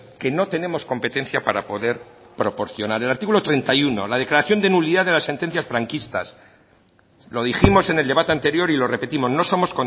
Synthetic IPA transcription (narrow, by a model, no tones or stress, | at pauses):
ke̞no̞t̪e̞ne̞mo̞sko̞mpe̞t̪e̞n̟θjapaɾapo̞ðe̞ɾ | pɾo̞po̞ɾθjo̞naɾe̞laɾt̪ikulot̪ɾe̞nt̪ajuno̞̰lað̞e̞klaɾaθjo̞nd̪enuβliðaðelasːe̞nt̪e̞n̟θjasfɾaŋkist̪a̰s | lo̞ð̞iximo̞se̞ne̞ld̪e̞β̞at̪eant̪e̞ɾjo̞ɾilo̞re̞pe̞t̪imo̞zno̞so̞mosko̞